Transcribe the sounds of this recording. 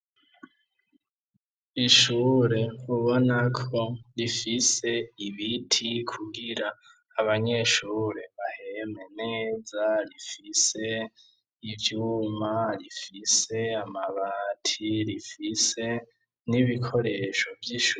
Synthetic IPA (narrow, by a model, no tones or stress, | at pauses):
iʃuːɾe̞uβo̞nakʰoɾifise̞iβitʰikʰuɡiɾaː | βaɲe̞ʃuːɾe̞βaheme̞ne̞ːzaɾifise̞ | ivjuːmaɾifise̞amaβaːtʰiɾifise̞ | niβikʰo̞ɾe̞ʃo̞vjiʃu